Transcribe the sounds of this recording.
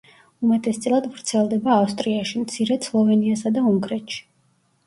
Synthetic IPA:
umɛt̪ʼɛst̪sʼlˠad̪vɾt̪sʰɛlˠd̪ɛbaːfst̪ʼɾiaʃimt̪sʰiɾɛslˠɔvɛniasad̪auŋɡɾɛt̪ʃi̥

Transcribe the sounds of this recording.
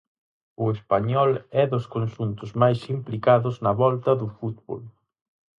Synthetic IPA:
ʊespaɲɔlɛðʊskonʃunt̪ʊzmajsimplikaðʊznɐβɔlt̪ɐðʊfut̪βo̰l

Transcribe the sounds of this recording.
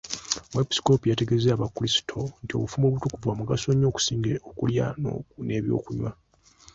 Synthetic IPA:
mwepi̥si̥ko̞pujate̞ɡe̞zeaβakːulisi̥tʰo̞ntio̞̰βufumo̞βutukuvwamuɡaso̞ɲːo̞ːku̥siːŋɡeʔokulja̰no̰ne̞βjo̞̰ːkuɲwa

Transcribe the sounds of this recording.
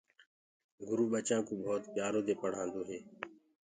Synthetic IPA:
ɡʊɾuːɓət͡ʃãːkoːbʱoːt̪pjaːɾoːd̪eːpəɽ̤ãːnd̪oːɦeː

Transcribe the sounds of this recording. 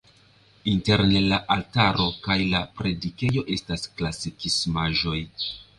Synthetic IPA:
inte̞ɾnelaʔaltaɾo̞kajlapɾe̞dike̞jo̞ʔe̞stasklasikismaʒo̞j

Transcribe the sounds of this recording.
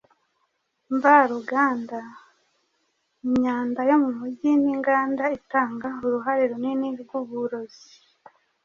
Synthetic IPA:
ɱvaɾuɡaːnda | iɲaːndajo̞mumuɟiniŋɡaːndaitaːŋɡauɾuɦaɾiɾoniniɡiɡuβuɾozi

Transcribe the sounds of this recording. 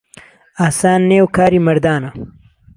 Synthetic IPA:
aːsaːnːeːwkʰaːɾiːmɐɾd̪aːnɐ

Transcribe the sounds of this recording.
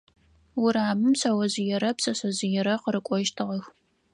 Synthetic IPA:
wʊɾaːmɨmsɐwɐzɪjɛɾɐpsɐsɐzɪjɛɾɐqəɾɨkʷʼɔʒtʰɨʁɐx

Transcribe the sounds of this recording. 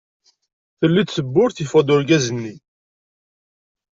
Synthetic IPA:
θəlːid̪səbːʊɾθifɑd̪ˤʊɾɡæzənːi

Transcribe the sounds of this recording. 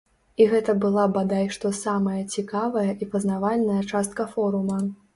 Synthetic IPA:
iɣɛt̪ɐbɨlˠabad̪ajʂt̪ɔsamɐjɐt͡sʲikavɐjɐʔipɐznavalʲnɐjɐt͡ʂast̪̚kɐfɔɾumɐ

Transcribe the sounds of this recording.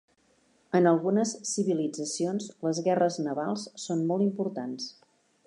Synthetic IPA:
ənəlˠɣunəsːiβilid͡zəsionsləzɣɛrəznəβalˠssonmɔlˠt̪impuɾt̪ans

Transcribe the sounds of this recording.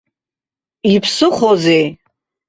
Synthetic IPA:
ipʰsɨχozej

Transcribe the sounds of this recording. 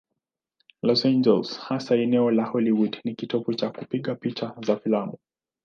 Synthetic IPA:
lɔsand͡ʒɛlshasaɛnɛɔlahɔliwudnikitɔput͡ʃakupiɠapit͡ʃazafilamu

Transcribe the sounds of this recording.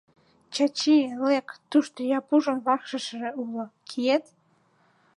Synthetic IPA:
t͡ɕɑt͡ɕilekt̪uʃt̪ojɑpuʒonβɑxʃə̆ʃəʒĕulokʰiet̪

